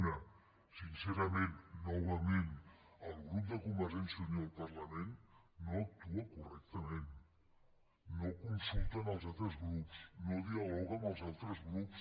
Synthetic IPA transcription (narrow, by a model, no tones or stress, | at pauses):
nə | sinseɾamenːɔwamen | əlˠɣɾup̚d̪əkumbəɾɛnsioɲoəlˠpaɾlamenː | oək̚t̪uakurɛk̚t̪əmen | okunsulˠt̪anəlˠzalˠt̪ɾəzɣɾupsnoðialɔɣənəlˠzalˠt̪ɾəzɣɾups